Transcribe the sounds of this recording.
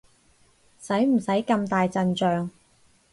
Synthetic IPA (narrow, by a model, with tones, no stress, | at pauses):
sɐ˨˥jm̩˨˩sɐ˨˥jkɐ˧mt̪aː˨jt͡sɐ˧nt͡ʃœː˨˧ŋ